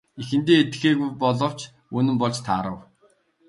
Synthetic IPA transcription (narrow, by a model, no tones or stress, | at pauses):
ixɘ̆nt̪eːet̪xeːɣujpɔɮɞ̆w̥t͡ɕ | ɵnɘ̆mpɔɮt͡ɕt̪ʰaːɾə̆w